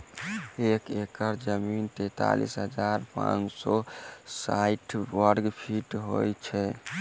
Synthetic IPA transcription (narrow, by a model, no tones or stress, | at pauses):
ekekəɾd͡ʒəmint̪et̪a̰lḭsɦəd͡ʒaɾpã̰nt͡ʃsɔsaiʈʰwəɾɡpʰiʈɦojt͡ʃʰɛ